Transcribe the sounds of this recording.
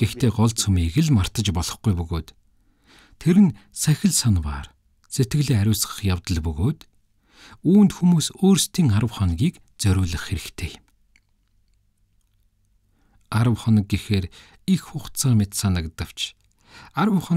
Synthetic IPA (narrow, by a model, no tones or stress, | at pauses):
ɡ̥ext̪ʰeːɢɔɮsumiːɣɘ̆ɮmar̥t̪ə̆t͡ɕpɔɮɞ̆χɡujpɵɣoːt̪ʰ | eɾɘ̆nsæxʲɪ̆ɮsanwa̰ːr | set̪ɡɘ̆ɣɮeːæɾʲʊːsʁə̥̆χjawt̪ə̆ɮpɵɣoːt̪ | uːnt̪xumuːsoːrst̪ʰiːŋaɾə̆wχɔnɣʲiːk | t͡sœɾʲʊːɮə̆χːeɾɘ̆kt̪ʰeːm | aɾə̆wχɔnə̆k̚ɡixeːɾ | ixxʊχt͡săːmʲet̪saːnə̆kt̪ə̆w̥t͡ɕʰ | aɾəwχɔ